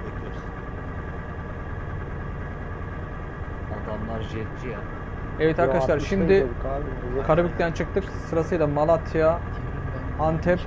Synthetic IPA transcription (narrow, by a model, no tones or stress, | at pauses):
ad̪amlˠaɾd͡ʒɛt͡ʃʰːija | evɛt̪ʰaɾkʰaʃlˠaɾʃimd̪ɪ | kʰaɾabicʲt̪ʰʲænt͡ʃʰɯk̚t̪ʰɯksɯɾasɯjlˠamalˠat̪ʰija | ant̪ʰɛp